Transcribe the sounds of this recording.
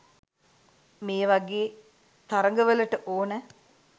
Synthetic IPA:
meːʋaɡeː | t̪aɾəŋɡəʋələʈəʔoːnə

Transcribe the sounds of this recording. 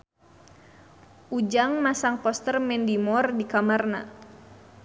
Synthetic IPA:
ʔud͡ʒaŋmasaŋpɔst̪ərmɛndimɔrdikamarna̰

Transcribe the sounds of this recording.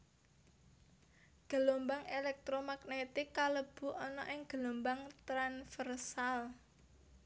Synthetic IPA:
ɡ̥ə̤lombaŋelɛk̚t̪ɾɔmaɡnet̪ɪkːaləb̥ṳʔɔnɔ̰ʔɪŋɡ̥ə̤lombaŋt̪ɾanfɛrsal

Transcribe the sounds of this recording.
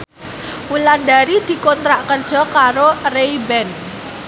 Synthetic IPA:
wuland̪aɾid̪̥i̤kɔnt̪ɾaʔkərd̥ʒ̥ɔ̤kaɾoreibɛn

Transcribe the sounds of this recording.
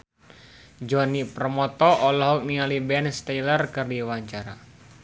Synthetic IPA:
d͡ʒɔniprəmɔt̪ɔʔɔlɔɦɔk̚nialibɛnst̪ajlərkɨrdiwaɲt͡ʃaɾa̰

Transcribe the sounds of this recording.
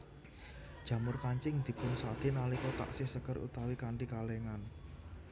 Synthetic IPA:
d̥ʒ̥ä̤mʊrkaɲt͡ʃɪŋd̪̥i̤pʊnsa̰d̪̥e̤nalikɔt̪a̰ʔsɪhsəkərṵt̪awikaɳʈikaleŋan

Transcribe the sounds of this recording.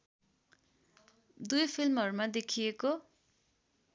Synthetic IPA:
d̪ujpʰilmʌɾumad̪ekʰijeko

